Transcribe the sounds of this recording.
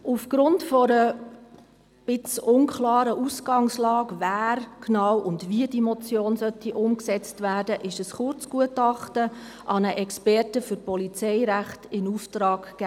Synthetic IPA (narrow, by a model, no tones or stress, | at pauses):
ufɡ̥ɾʊntfɔɾə | b̥ɪt͡sʊnkʰlɑːɾəʔusɡ̥ɑŋslɑːɡvæːɾknɑwʔʊndviədimɔt͡sjoːnsœtːiʔʊmksɛt͡stvæːrdəʔɪʃəsχʊrt͡sɡ̥uətɑχtə | ʔɑnəʔɛkspɛrtəfʏɾpɔlit͡sɛɪɾæχtɪnuftɾɑːɡ̥ːæː